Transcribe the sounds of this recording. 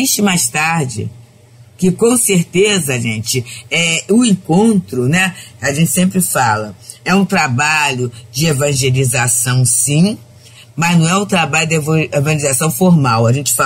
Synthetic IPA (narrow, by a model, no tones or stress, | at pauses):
t͡ʃɪmajst̪aɾd͡ʒɪ̰ | kɪkõseɾt̪ezɐʒẽt͡ʃɪɛʊẽkõnt̪ɾʊnɛaʒẽnt͡ʃɪ̥sẽmpɾɪfalɐ | ɛũt̪ɾabaʎʊd͡ʒɪevɐ̃ʒelizasɐ̃w̃sĩ | mɐznɐ̃w̃ɛũt̪ɾabaʎʊd̪evevɐ̃ʒelizasɐ̃w̃foɾmawɐʒẽnt͡ʃɪ̥fa